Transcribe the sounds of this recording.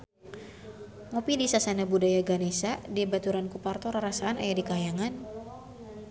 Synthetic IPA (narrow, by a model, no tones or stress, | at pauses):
mopidisasanabudajaɡanesadibat̪uɾankupart̪ɔɾaɾasaanajadikajaŋan